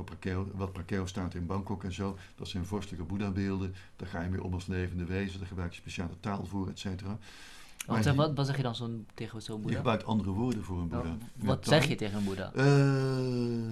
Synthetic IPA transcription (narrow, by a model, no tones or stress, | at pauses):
opakeʋɑt̚pakeostaːtɪnbɑŋkɔkɛnzowd̥ɑtsɛjnnvɔɹstələkəbudabɪːlˠdəd̥aχaːjəmɪ̰ːʔɔ̰mɑsənleːjvəndəʋejzədaɹχəbrœɥk̚tə̥speʃaːlətaːlˠvʊːrɛtsejtəraː | maʋɔtsɛχjədɑnzonteχəsonbujəaəbrœɥk̚tɑndərəʋʊːɹdəvʊːrənbudatɛχjəteχənəbuda̰ʔə